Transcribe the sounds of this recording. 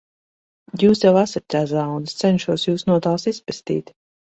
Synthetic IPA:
juːsjawasat̪̚ʲːaːs̬awnd̪st̪sɛnʃuɔsjuːsnuɔt̪aːlˠsispɛst̪ḭːt̪

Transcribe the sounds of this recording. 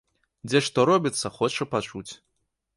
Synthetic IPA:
d͡zʲɛʂt̪ɔɾɔbʲit̪sːɐxɔt͡ʂɐpat͡ʂut͡sʲ

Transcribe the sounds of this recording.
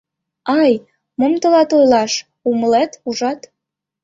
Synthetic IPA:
ɑj | mə̆mt̪ŏlɑt̪ojlɑʃ | uməlet̪uʒɑt̪

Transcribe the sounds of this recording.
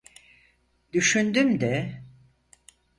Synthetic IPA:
d̪yʃynd̪ymd̪ɛ

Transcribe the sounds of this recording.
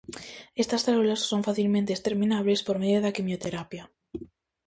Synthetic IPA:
est̪asθaulasːoɱfaθilmẽnt̪eːst̪eɾmĩnaβlespoɾmeðjoðakimjot̪eɾapja

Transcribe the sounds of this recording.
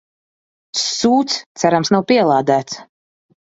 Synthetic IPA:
suːt̪st̪sæɾamsnawpiɛlˠaːd̪æːt̪s

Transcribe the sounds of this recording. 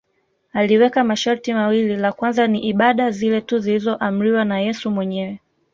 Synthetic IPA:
aliwɛkamaʃaɾtimawililakwanzaniʔiɓaɗazilɛtuzilizɔʔam̩ɾiwanajɛsumwɛɲɛwɛ

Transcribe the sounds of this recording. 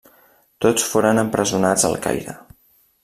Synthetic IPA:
t̪ot͡sfoɾənəmpɾəzunad͡zə̰lˠka̰jɾə

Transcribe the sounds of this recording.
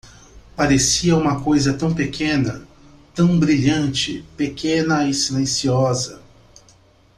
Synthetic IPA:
paɾesiɐũmɐkojzɐt̪ɐ̃w̃pekʰẽnɐ | t̪ɐ̃w̃bɾiʎɐ̃nt͡ʃɪ̰pekẽnɐɪsilẽsiɔzɐ

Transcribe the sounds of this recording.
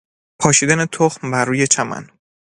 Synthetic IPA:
pʰɒːʃiːd̪ænet̪ʰoxmbæɾːuːje̞t͡ʃʰæmæ̰n

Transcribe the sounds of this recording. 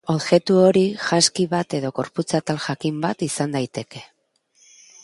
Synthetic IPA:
o̞ðɣe̞t̪uo̞ɾiʝaskiβat̪e̞ðo̞ɡo̞ɾput͡sat̪alʝakimbat̪isand̪ajt̪e̞ke̞

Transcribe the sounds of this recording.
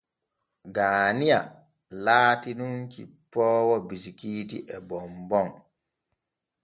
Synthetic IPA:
ɡaːnija̰ | laːtinuŋkḭpɔːwɔbisikiːtiʔɛbɔmbɔn

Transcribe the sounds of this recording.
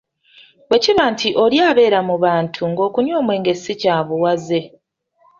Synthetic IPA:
we̞ciβaːntʰiʔo̞ljaːβe̞ːɾamuβaːntʰuŋɡo̞ːkunjo̞ːmwe̞ːŋɡe̞sicaːβuwaze̞

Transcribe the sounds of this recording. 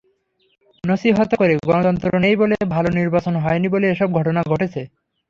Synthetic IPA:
nʌʃiɦɔt̪okoɾeɡɔnot̪ɔnt̪ɾonejbolebʱaloniɾbat͡ɕonɦɔeniboleeʃɔb̚ɡʱɔʈonaɡʱɔʈet͡ɕʰe

